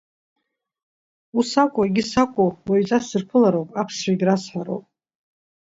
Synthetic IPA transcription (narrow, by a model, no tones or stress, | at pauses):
usakʷʼaɡʲisakʷʼowaɥt͡sʼasɨrpʰɨlaɾowpʼapʰsʃaɡʲɾasħaɾo̰wpʼ